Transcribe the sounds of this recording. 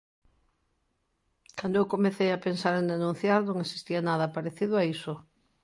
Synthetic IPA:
kand̪oewkomeθejapensaɾẽnd̪enũn̟θjaɾnõŋesi̥st̪ianaðɐpaɾeθiðʊaisʊ

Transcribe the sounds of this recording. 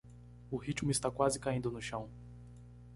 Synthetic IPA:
ʊhit͡ʃmʊɪst̪akwazɪkaĩnd̪ʊnʊʃɐ̃w̃

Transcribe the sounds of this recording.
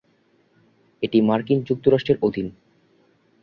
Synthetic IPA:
eʈimaɾkind͡ʑuk̚t̪oɾaʃʈeɾʔod̪ʱin

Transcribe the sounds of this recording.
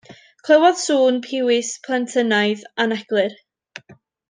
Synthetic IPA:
kʰl̥ˠəwɔðsuːnpʰɪwɪspʰlˠantʰənajðanɛɡ̥lˠɨr

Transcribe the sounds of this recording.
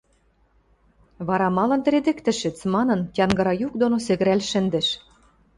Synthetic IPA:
βɑɾɑmɑlɤ̆nt̪ɘ̆ɾed̪ɘ̆kt̪ɘ̆ʃɘ̆t͡smɑnɤ̆nt̪ʲjɑnɡɑɾɑjuk̚d̪onosɘ̆ɣɘ̆ɾælʃɘ̆nd̪ɘ̆ʃ

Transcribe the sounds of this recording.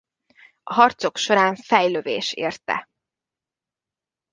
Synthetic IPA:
ɒɦɒrt̪so̞kʃo̞ɾaːɱfɛjløvḛːʃeːrt̪ɛ̰

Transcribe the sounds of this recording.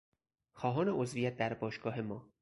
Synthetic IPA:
xɒːɦɒːne̞ozvijæt̪̚d̪æɾbɒːʃɡ̥ɒːɦe̞mɒː

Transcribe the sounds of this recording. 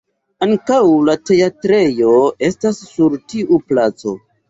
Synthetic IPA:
aŋkawlate̞atɾe̞joe̞stasːuɾtiʔuplat͡so̞̰

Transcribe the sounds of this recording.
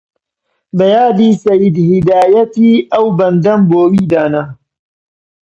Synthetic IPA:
bɐjaːd̪iːsɐjid̪hɪd̪aːjɐt̪iːɐwbɐnd̪ɐmboːwiːd̪aːnɐ

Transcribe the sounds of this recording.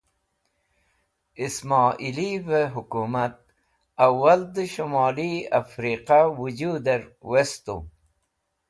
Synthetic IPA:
ismɑːʔilivəɦukumat̪̚ | awald̪əʃumɑːliafɾiqawud͡ʑud̪eɾwest̪ṵ

